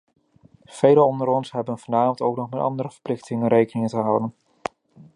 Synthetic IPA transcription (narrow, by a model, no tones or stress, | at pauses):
v̥ejləɔndəɾɔnsɦɛbənvɑnaːmtowknɔχmɛtɑ̰ndəɾəvə̥ɹplɪχtɪŋənɾejkənɪŋəntəɦɑwdən